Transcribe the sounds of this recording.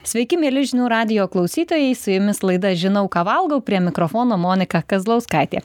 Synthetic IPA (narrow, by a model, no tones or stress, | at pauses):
sʲʋʲɛɪkʲɪmʲiɛlʲɪʒʲɪnʲuːɾɑːd̪ʲɪjoːklˠɒʊsʲiːt̪oːjɛɪsʊjʊmʲɪslˠɐɪd̪ɐʒʲɪnɐʊkɑːʋɐlˠɡɐʊpʲɾʲiɛmʲɪkɾɔfoːnoːmoːnʲɪkɐkɐzlˠɐʊskɑɪt̪ʲḛː